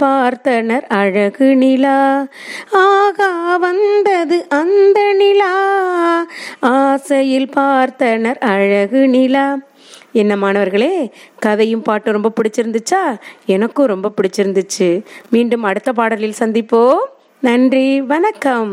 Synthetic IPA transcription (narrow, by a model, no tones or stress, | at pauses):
paːɾt̪ɐnɐɾɐɻɐɣɯnɪla | aːɣɐʋɐnd̪ɐðɯʔɐnd̪ɐnɪla | aːsɐjɪlpaːɾt̪ɐnɐɾɐɻɐɣɯnɪla | ɛnːɐmaːnɐʋɐɾɣɐɭeːkɐðɐjɯmpaːʈːɯ̃ɾɔmbɐpɪɽɪt͡ʃːɪɾɯnd̪ɯt͡ʃːaːɛnɐkːɯ̃ɾɔmbɐpɪɽɪt͡ʃːɪɾɯnd̪ɯt͡ʃːɯmiːɳɖɯmɐɽɯt̪ːɐp̬aːɽɐlɪlsɐnd̪ɪpːoː | nɐndriʋɐnɐkːɐm